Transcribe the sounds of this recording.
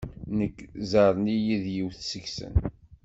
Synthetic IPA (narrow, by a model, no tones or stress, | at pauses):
nəkːzɑɾˤnijiðjiwθsəçsə̰n